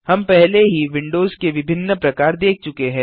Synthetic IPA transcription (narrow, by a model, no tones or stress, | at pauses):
hɐmpɛɦleɦiʋɪ̃ɳɖoːzkeʋɪbʱɪnːəpɾɐkaːɾd̪eːk̚ʰt͡ʃʊkeɦɛ̃ː